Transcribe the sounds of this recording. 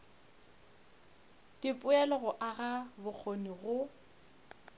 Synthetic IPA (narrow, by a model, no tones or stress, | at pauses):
d̥ɪpʼʊɛlɔɣɔʔaɣabʊk͡xʰoniɣʊ